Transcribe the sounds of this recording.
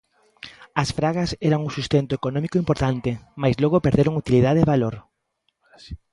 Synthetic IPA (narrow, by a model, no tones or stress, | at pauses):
ɐsfɾaɣɐsɛɾɐŋusust̪ent̪ʊekonɔ̃mikoimpoɾt̪ant̪ɪmajzlɔɣʊpeɾðeɾoŋut̪ilið̞aðeβaloɾ